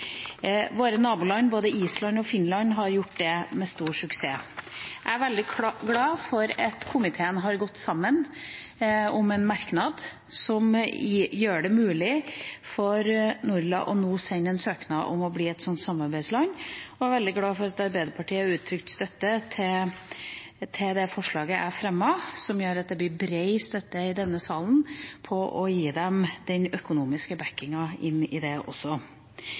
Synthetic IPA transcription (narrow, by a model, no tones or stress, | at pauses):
ʋoːɾənɑːbʊlɑnboːd̪əʔiːslɑnɔfɪnlɑnɦɑɾjʊʈːd̪ɛmɛst̪uːʂʉkseːʔææɾʋɛld̪ɪɡlɑːfɔɾɑt̪kʰʊmɪt̪ʰeːənɦɑɾɡɔt̪ːsɑmːən | ʊmɛnmɑɾknɑd̪ | sɔmjøːɖɛmʉːlɪfɔɾnuɾlɑ̰ʔɔnuːsɛnːɛnsøːknɑʔɔ̰mɔbliːɛt̪sɔnt̪sɑmːɑɾbæɪd̪slɑŋɔæɾʋɛld̪ɪɡlɑːfɔɾɑt̪ɑɾbæɪd̪əɾpʰɑʈʰiːəɑɾʉːt̪ʰːɾʏkt̪st̪œt̪ːət̪ʰɪ | t̪ʰɪld̪ɛfɔʂɭɑːɡəʔæfɾɛmːɑsɔmjøːɾɑt̪̚d̪ɛblɪɾbɾeɪst̪œt̪ːəɪd̪ɛnːəsɑːlən̩pʰɔʔɔjiːd̪ɛmd̪̥ɛnœkʊnuːmɪskəbækːɪŋɑɪnːɪd̪ɛʔɔ̰sːɔ